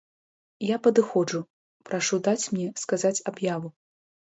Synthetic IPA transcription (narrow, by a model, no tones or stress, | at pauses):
japɐd̪ɨxɔd͡ʐu | pɾaʂud̪at͡sʲmnʲɛskazat͡sʲabjavu